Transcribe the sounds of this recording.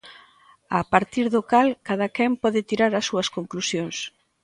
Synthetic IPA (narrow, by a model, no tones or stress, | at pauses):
apaɾt̪iɾðʊkalkað̞ɐkɛmpɔðɪt̪iɾaɾɐsːuɐskoŋklusjoŋs